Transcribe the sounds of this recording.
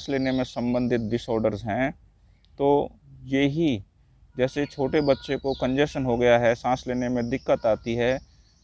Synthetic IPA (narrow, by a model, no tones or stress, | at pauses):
sleːnemẽsɐ̃mbə̃nd̪ʱɪt̪̚ɖɪsɔːɾɖəɾzɦɛ̃ː | t̪oːjeɦi | d͡ʒɛːset͡ʃʰoːʈebɐtːʃekokə̃nd͡ʒɛʃənɦoɡɐjaɦɛsãːsleːnemẽd̪ɪkːət̪aːt̪iɦɛː